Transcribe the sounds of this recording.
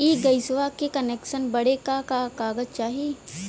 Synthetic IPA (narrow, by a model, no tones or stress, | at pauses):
iːɡɐɪsʋakekɐneːkʃənbɐɽekakakaːɡət̪̚t͡ʃaːɦie